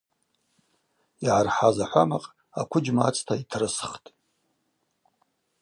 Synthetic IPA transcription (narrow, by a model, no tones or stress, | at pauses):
iʕarħazaħʷamaqʼ | akʷʰʊd͡ʒmat͡sʰtʰaitʰrɨsχtʼ